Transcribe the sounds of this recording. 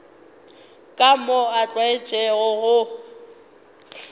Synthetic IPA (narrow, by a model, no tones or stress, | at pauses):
kʼamɔat͡ɬʼwaɪt͡ʃʼɛɣʊɣʊ